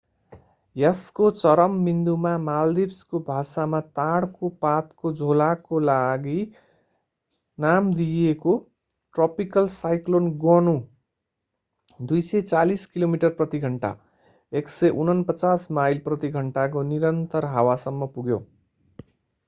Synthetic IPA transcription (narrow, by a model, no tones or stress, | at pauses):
jʌskot͡sʌɾʌmːind̪umamald̪ibskobʱasamat̪aɽkopat̪kod͡zʱolakolaɡi | namd̪ieko | ʈrʌpikʌlsajklonɡʌnu | d̪ujsʌt͡saliskilomiʈʌrprʌt̪iɡʱʌɳʈa̰ | eksʌʔunʌnpʌt͡sasmajlprʌt̪iɡʱʌɳʈak̬oniɾʌnt̪ʌrɦawasʌmːʌpuɡjo̰